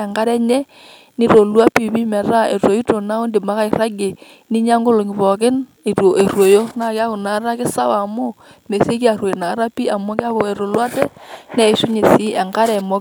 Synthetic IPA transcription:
ɛ˨ŋɡa˦ɾɛ˦ɲɛ˦ | ni˦ɾo˨lwa˦pi˦˨βi˦mɛ˨ɾa˦˨ḛ˨to˨i˦to˨na˦o˦ndi˨ma˦ka˦i˨ra˦ɡe˨ | ni˦ɲa˦ŋɡo˦lo˨ŋɪ˨βɔ˨kɪ˦n | e˨to˨ʔe˨rwo˨jo˦na˦˨kɪ˦a˦kʊ˨na˨˦ɾa˦kɪ˦sa˦wa˨mo˦ | me˨si˦ki˦a˨ɾwo˨jna˨˦ɾa˦pi˦a˨mɔ˦ka˦βɔ˨e˨ɾo˨lwa˦tɛ˦nɛ˦˨ʃu˦ɲe˨si˦ɛ˨ŋɡa˦ɾɛ˨mɔ˦

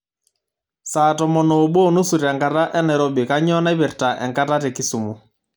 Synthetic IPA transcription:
saː˨tɔ˨mɔ˨no˨ɓo˦˨nu˦su˨ɾɛ˨ŋka˨ta˦ʔɛ˦nɛ˨ɾɔ˦bi˨ka˦ɲɔ˦na˦bɪ˨rta˨ʔɛ̰˨ŋka˦ta˦tɛ˨ki˦su˨mu˨

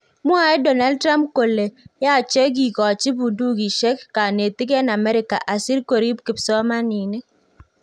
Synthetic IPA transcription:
mu˦a˨e˦do˨na˦l̚tɾa˦mko˨lːe˨ja˦˨t͡ʃe˦ɡ̬i˨kɔ˨a˨t͡ʃi˦bu˨du˦ɡi˨ʃe˦kːa˨ne˨ti˦k̬e˦na˨me˦ɾi˨ka̰˨ʔa˨si˦ɾko˨ɾi˦ki˨p̚sɔ˦ma˦ni˨ne˦

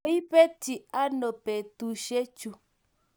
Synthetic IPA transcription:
i˦pe˦ti˨a˦no˨pɛ˨tu˨ʃe˦t͡ʃu˧

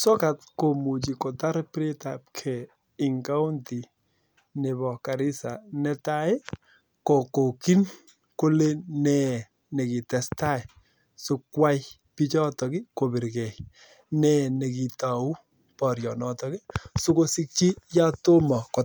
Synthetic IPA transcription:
sɔ˦ka˨tko˨mu˨t͡ʃi˨kɔ˨ta˦ɾpɾe˦ta˨p̚kʰɛ˨ | ɪ˨ŋka˦wnti˨ | ne˨bɔ˨ka˨ɾɪ˦sa̰˨nɛ˦ta˦ɪ˦ | kɔ˨ko˨ki˦n | ko˦le˦nɛ˨ | nɛ˨kɪ˨tɛ˨sta˦ɪ˨ | su˦kwa˦j | pi˦t͡ʃɔ˦tɔ˨kɪ˦ko˨bi˨ɾkɛ˨j | nɛ˨ne˨ki˨ta˨u˦ | pɔ˨ɾjɔ˨nɔ˨tɔ˦ki˦su˦ko˦si˦k̚t͡ʃi˦ja˦to˦mɔ˨kɔ˨

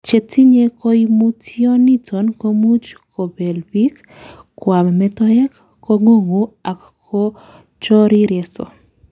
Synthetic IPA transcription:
t͡ʃe˨tʰi˦ɲe˦ko˦imu˦tʰiɔ˦ni˦tʰo˨nko˦mu˦t͡ʃkʰo˨bɛ˨lbi˦k | kwa˨mmɛtɔ˦jɛ˦k | kːo˦ŋo˦ŋu˨a˨k | ko˦ | t͡ʃɔ˦ɾi˦ɾjɛsɔ̰˨

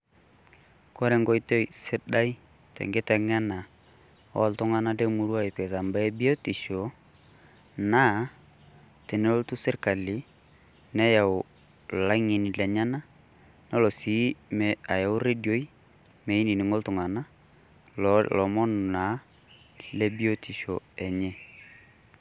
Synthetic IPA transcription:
kɔ˦ɾɛ˨ŋɡɔ˦jto˦jsɪ˦da˦i˦ | tɛ̰˨ŋɡɪ˦tɛ˨ŋɛ˦na˨ | ɔ̰˦ltʊ˦ŋa˦na˦de˦mu˦ɾu˦a˦˨ɪ˨pe˨ta˨mba˦ɛ˦bi˦o˦ti˨ʃo˨ | na˦ | te˨nɛ˦o˦ltu˦sɪ˦rka˨li˨˦ | nɛ˦ja˨ʊ˨ | la˦ŋi˨ni˨lɛ˨ɲa˦na˦ | nɔ˦lɔ˨si˨˦mɛ˨a˨ja˨ʊ˦ɾe˦djo˦i˦ | me˨i˦ni˨nɪ˨ŋo˦ltʊ˨ŋa˨na˦ | lɔ˨mɔ˦n˨na˨˦ | le˦bi˦o˦tʰi˨ʃo˨ɛ˨ɲɛ˦

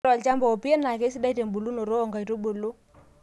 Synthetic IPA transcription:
ɔ˨lt͡ʃa˦mbɔ˨o˨pi˦e˦na˨ke˦si˦da˦i˦te˨mbu˨lu˦no˨ɾo˦ɔ˨ŋɡa˨i˨to˦ɓo˨lo˦

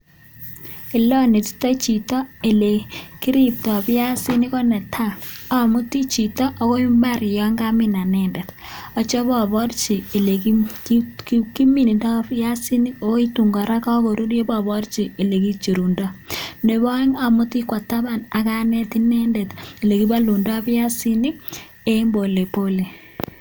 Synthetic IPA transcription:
i˨lɔ˦ni˨ti̥˦tɔ˦t͡ʃi˨tɔ˦e˨le˨ki˦ɾi˦p̚tɔ˨pja˦si˦ni˦kɔ˦nɛ˨tʰa˦a˨mu˦ti˦t͡ʃi˨tɔ˦ʔo˦ko˦i˦mba˦ɾjɔ˦ŋɡa˦mi˦na˨nɛnde˨tɔ˨˦t͡ʃɔ˦bɔ˨bɔ˦rt͡ʃiː˨le˨k | kki˦mi˨ni˨dɔ˦pja˦si˦ni˦o˦o˦i˦tu˨ŋɡɔ˨ɾa˦kɔ˦ko˨ɾu˦ɾje˦bɔ˦bɔ˦ɾt͡ʃi˨i˨le˨ki˦t͡ʃi˨ɾu˨ndɔ˦ne˨βɔ˦ŋa˨mu˦ti˦kwa˨ta˦ba˨na˨ka˦nɛ˦ti˦nɛ˦ndɛ˨ti˨le˨ki˦ba˦lu˨ndɔ˦bja˦si˦ni˦ | e˦mbo˨le˨po˦le˨

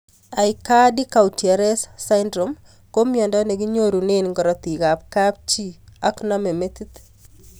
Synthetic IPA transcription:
a˨ika˦di˦ka˨u˨tja˨ɾɛ˦ssa˦ndɾom | ko˦mjɔ˨ndɔ˦ne˨ki˦ɲo˦ɾu˨ne˦nŋɡɔ˨ɾɔ˨t̪i˨ka˨p̚ka˦p̚t͡ʃi˦aknɔme˨me˦t̪i˦t̪

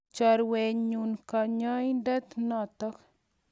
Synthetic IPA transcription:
t͡ʃa˨ɾwɛ˨ɲu˨nka˨ɲɔ˦i˦ndɛ˦t̪nɔ˦t̪ɔ˦k

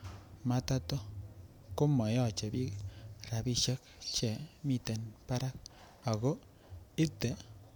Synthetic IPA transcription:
ma˦ta˦to˦ | ko˦mɔ˨jɔ˦˨t͡ʃe˨bi˦kɾa˨pi˦ʃe˦k̚ | t͡ʃɛ˨mi˦˨te˨npa˦ɾa˦k̚ | a˨ɡo˦ | ɪ˦te˨

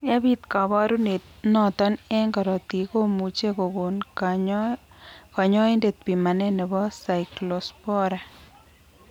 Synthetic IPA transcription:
a˦bi˦t̪ka˨βɔ˦ɾu˦ne˨t̪̚nɔ˨t̪ɔ˦nɛ˦ŋɡɔ˨ɾɔ˨t̪i˨ko˦mu˨t͡ʃe˦ko˨ɡo˨n | kɔ˨ɲɔ˦e˦nde˨t̪̚pi˨ma˨nɛ˦nɛ˨bɔ˦sa˨ɪklo˨spɔ˦ɾa˨

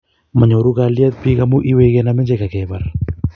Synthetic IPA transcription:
ma˨ɲo˨ɾu˦kali˦a˦t̪̚pi˦ka˦mu˦ʔi˦we˦kɛ˦namɛ˦ɲd͡ʒe˦ka˨kɛba˨ɾ

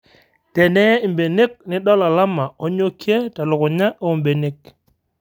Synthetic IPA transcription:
tɛ˨nɛ˦jɛ˦i˨mbe˨ne˦k̚nɪ˦ɗɔ˦la˨la˦ma˨ɔ˦ɲo˦kje˦ta˨lʊ˨kʊ˨ɲa˦ʔɔ˨mbe˨ne˦k̚

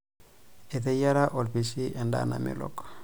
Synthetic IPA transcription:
e˨t̪̬e˦ja˦ɾa˦ʔo˨lpi˨si˦ʔe˨nda̰na̰˨mḭ˨lo̰k

